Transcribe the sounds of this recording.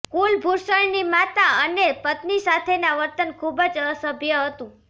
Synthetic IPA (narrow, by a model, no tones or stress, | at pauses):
kulbʱuɾsəɭnimat̪aənepət̪nisat̪ʰenaʋəɾt̪ənkʰubəd͡ʒəsəbʱjəɦət̪ũ